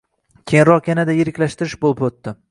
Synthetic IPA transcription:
kʲʰejnɾɒqjanad̪ajeɾɪkʲlaʃt̪ɪɾɪʃbolˠɪpot̪ːɪ

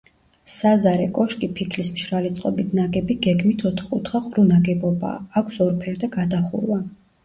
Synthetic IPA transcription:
ssazaɾɛkʼɔʃkʼipʰikʰlismʃɾalɛt̪sʼqʼɔbit̪ʰnaɡɛbiɡɛɡmit̪ʰɔt̪ʰχkʼut̪ʰχaqʼɾunaɡɛbɔba̰ːkʷʰsɔɾpʰɛɾd̪aɡad̪aχṵɾwa

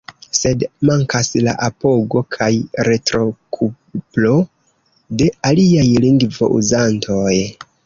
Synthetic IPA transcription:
se̞dmaŋkasla̰ʔapo̞ɡo̞kʰajɾe̞tɾo̞kʰu | plo̞ | de̞aliajliŋɡvo̞̰ʔṵzantʰo̞j

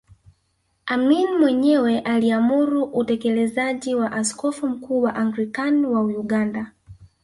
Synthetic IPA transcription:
aminimwɛɲɛwɛʔaliamuɾuʔutɛkɛlɛzaʄiwaʔaskɔfum̩kuːwaʔaŋɡɾikanwaujuɠanda

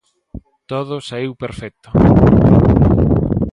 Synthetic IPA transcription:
t̪oðʊsaiwpeɾfɛk̚t̪ʊ

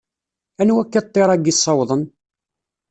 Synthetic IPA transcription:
ænwækːət̪ˤːeɾˤæɡisˤːɑwðˤən

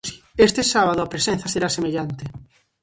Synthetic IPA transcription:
i̥est̪esaβ̞aðoapɾesẽn̟θaseɾasemeʎant̪e

